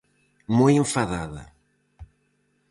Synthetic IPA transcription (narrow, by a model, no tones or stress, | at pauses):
mojẽɱfaðaðɐ̰